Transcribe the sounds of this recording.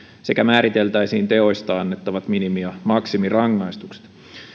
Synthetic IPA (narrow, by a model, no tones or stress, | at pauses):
se̞kæmæːɾit̪e̞lt̪æjsiːnt̪e̞o̞jst̪ɑɑnːe̞t̪ːɑʋɑt̪minimijɑmɑksimirɑŋːɑjst̪ukse̥t̪